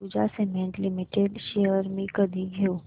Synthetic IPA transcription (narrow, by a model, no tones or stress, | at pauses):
ud͡ʒasemẽːɳʈlɪmɪʈeɖʃeəɾmĩkəd̪iɡʱeo